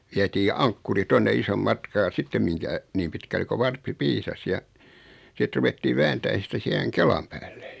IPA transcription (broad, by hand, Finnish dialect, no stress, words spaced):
ʋiɛtiː ɑŋkːuri tonːe isom mɑtkɑː j̆ɑ̆ sitːem miŋkæ niːm pitkælːe ko ʋɑrpːi piːsɑs jɑ sit ruʋetːiː ʋæːntæːn̞ sitæ siæheŋ kelɑm pæːlːe